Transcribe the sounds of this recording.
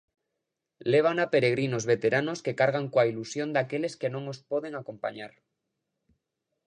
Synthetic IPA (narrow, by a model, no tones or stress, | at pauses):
leβ̞anapeɾeɣ̞ɾinozβet̪eɾanoskekaɾɣ̞aŋkwailusjond̪akeleskenõŋospoðeŋako̞mpa̰ɲaɾ